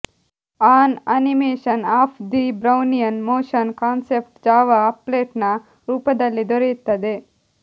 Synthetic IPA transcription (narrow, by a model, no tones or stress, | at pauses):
aːnɐnimeːʃɐnaːpʰd̪ibɾɐwnijɐnmoːʂɐnkaːnsep̚ʈd͡ʒaːʋɐːpleːʈnɐ | ɾuːpɐd̪ɐlːid̪oɾejut̪ːɐd̪e